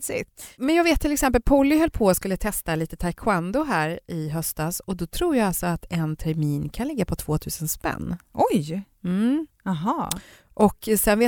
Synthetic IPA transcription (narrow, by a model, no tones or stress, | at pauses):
sɪmɛnjɑːɡveːt̪ʰːɪlɛksɛmpəlpʰɔlːɪɦœlːpʰoːjaskɵlːət̪ʰɛst̪aliːt̪ət̪ʰajkʰʊand̪ʊɦæːɾɪɦœst̪asɔd̪ɔt̪ʰɾuːɾjaɡalsɔat̪ɛnt̪ʰæɾmiːnkʰanlɪɡːapʰɔt̪ʰvoːt̪ʰʉ̟ːsənspɛ̰nːʔɔj | m̩ | ɑɦɑː | ʔɔkːsɛnveː